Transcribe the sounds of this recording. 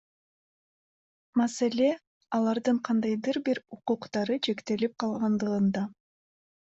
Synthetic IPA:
maselʲe̞ | ɑlˠɑɾd̪ɯɴqʰɑnd̪ɑjd̪ɯɾbiɾuquqt̪ɑɾɯt͡ʃʰe̞kt̪e̞lip̚qʰɑlˠʁɑnd̪ɯʁɯnd̪ɑ

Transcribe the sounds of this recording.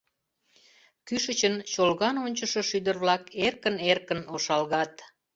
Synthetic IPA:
kyʃət͡ɕənt͡ɕolɣɑnonʲt͡ɕəʃə̆ʃyd̪ərβlɑkerkənerkənoʃɑlɣɑt̪

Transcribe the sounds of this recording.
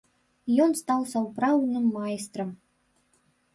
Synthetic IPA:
jɔnst̪awsɐwpɾawd̪nɨmːajst̪ɾɐm

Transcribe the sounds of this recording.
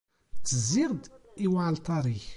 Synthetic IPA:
t͡sːəzːiʁd̪iwaʕlt̪ˤɑɾˤiç

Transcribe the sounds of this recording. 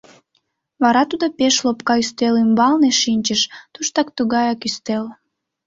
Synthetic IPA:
βɑɾɑt̪ud̪opeʃlopkɑyst̪elymbɑlneʃinʲt͡ɕəʃt̪uʃt̪ɑkt̪uɣɑjɑkyst̪el

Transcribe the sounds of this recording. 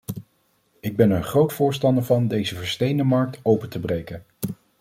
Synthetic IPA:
ɪɡ̚bɛnəɹχrowtfʊːɹstɑndəɹvɑndejzəvəɹstejndəmɑɹk̚towpətəbrejkən

